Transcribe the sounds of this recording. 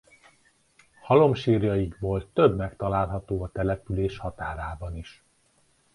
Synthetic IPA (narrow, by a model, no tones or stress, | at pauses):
hɒlo̞mʃiːrjɒjiɡbolt̪t̪øbmɛkt̪ɒlaːlɦɒt̪oːɒt̪ɛlɛpyleːʃhɒt̪aːɾaːbɒniʃ